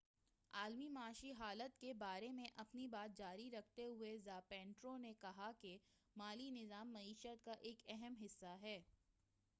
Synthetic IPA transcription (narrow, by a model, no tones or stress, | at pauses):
aːlmimaːʃiɦaːlət̪kebaːɾemẽʔɐpnibaːt̪̚d͡ʒaːɾiɾɐk̚ʰt̪eɦʊezaːpɛ̃ːɳʈɾõnekɐɦake | maːlinɪzaːmːɐiːʃət̪kaʔeːkɛɦɛmɦɪsːaɦɛː